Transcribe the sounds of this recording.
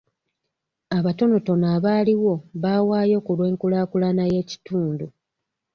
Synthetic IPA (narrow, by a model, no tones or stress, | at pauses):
aβato̞noto̞naːβaːliwo̞βaːwaːjo̞ːkulwe̞ːŋkulaːkulanaje̞ːci̥tuːndu